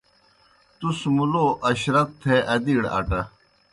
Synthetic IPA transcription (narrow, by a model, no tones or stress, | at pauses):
t̪usmuloːʔɐɕɾɐt̪ʰːeʔɐd̪iːɽɐ̰ʈɐ